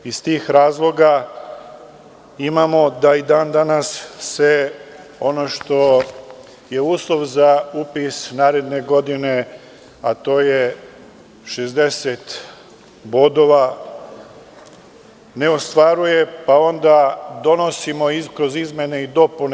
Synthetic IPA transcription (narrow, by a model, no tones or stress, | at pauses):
ist̪iːxɾaːzlˠo̞ɡa | imamo̞d̪aid̪aːnd̪anasːe̞ | o̞no̞ʃt̪o̞ | je̞uːslˠo̞ʋzaupisnaːɾe̞d̪ne̞ɡo̞d̪ine̞ | at̪o̞ːje | ʃezd̪e̞set̪ | bo̞d̪o̞ʋa | ne̞ost̪ʋaɾuje̞pao̞nd̪ad̪o̞no̞simo̞ikɾo̞zizme̞ne̞id̪o̞pun